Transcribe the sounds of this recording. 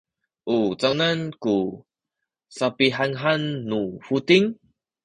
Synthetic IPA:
ʔut͡saŋnanku | sapiɦaŋɦanːufut̪iŋ

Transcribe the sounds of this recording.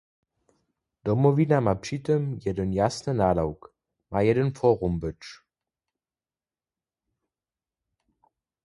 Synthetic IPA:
d̥ɔmɔvinamapʂitəmjɛdənjasnənaːlawk | majɛdənfɔːʁumbət͡ʃ

